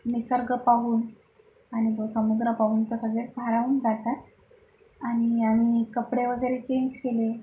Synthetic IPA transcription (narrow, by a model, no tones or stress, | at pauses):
nisəɾɡəpaʋuːn | añit̪osəmud̪ɾəpaʋuːnt̪əɾsəɡɭet͡sbʱaɾauːnd͡zat̪at̪ | aɽ̃iam̤ikəpɽeʋəɡəjɾet͡ɕeɲd͡ʑkele